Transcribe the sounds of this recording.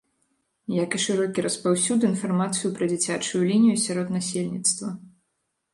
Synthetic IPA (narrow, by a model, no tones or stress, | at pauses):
jakiʂɨɾɔkʲiɾʔɐspawsʲud̪ɨinfarmat̪sɨjupɾɐd͡zʲit͡sʲat͡ʂujulʲinʲijusʲaɾɔt̪nasʲelʲnʲit̪st̪vɐ